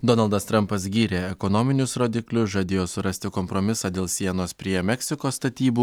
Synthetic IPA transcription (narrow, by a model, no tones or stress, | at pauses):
d̪ɔnɐlˠd̪ɐst̪ɾɐmpɐsɡʲiːɾʲeːɛkonoːmʲɪnʲʊsɾoːd̪ʲɪklʲʊsʒɐd̪ʲeːjoːsʊɾɐsʲt̪ʲɪkɔmpɾomʲɪsɑːd̪ʲeːlˠsʲiɛnoːspʲɾʲiɛmʲɛksʲɪkoːst̪ɐt̪ʲiːbuː